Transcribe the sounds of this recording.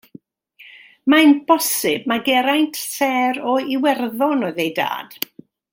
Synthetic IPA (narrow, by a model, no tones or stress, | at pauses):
manb̥ɔsɪb̚maɡɛɾajntʰsɛɾɔiwɛrðɔnɔðejda̰ːd̥